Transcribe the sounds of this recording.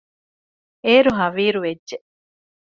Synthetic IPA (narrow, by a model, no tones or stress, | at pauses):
eːɾoɦaʋiːɾued͡ʒːe